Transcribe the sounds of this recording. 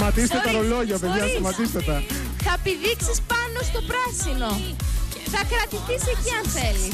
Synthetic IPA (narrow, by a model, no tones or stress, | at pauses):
mɐt̪ist̪et̪ɐɾoloʝɐpeðɐsɐmɐt̪ist̪et̪ɐ | θɐpiðiksispɐno̞st̪o̞pɾɐsino̞ | θɐkɾɐt̪iθise̞ciɐnθe̞li